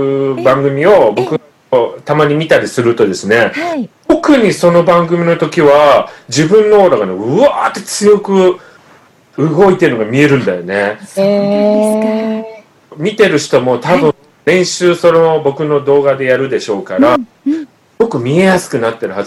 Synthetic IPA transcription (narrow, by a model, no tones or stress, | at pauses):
bãŋɡɯ̟mʲio̞bo̞kɯ | ot̪amaɲ̟imʲit̪aɾʲisɨɾɯ̟t̪o̞d̪e̞sɨne̞t̪o̞kɯ̟ɲ̟iso̞no̞bãŋɡɯ̟mʲinot̪o̞kʲiβad͡ʑibɯ̟̃nːo̞oɾaɡaneɯ̟aːt̪ːet͡sɨjo̞kɯ̟ | ɯ̟ɡo̞it̪eɯ̟no̞ɡamʲie̞ɾɯ̟̃nd̪ajo̞ne̞ | mʲit̪e̞ɾɯ̟ɕi̥t̪o̞mo̞t̪abɯ̟̃ | ɾẽ̞ɰ̃ɕɨːso̞nobo̞kɯ̟no̞d̪o̞ːɡad̪e̞jaɾɯ̟d̪e̞ɕo̞ːkaɾa | ɡo̞kɯ̟mʲie̞jasɨ̥kɯ̟nat̪ːe̞ɾɯ̟haz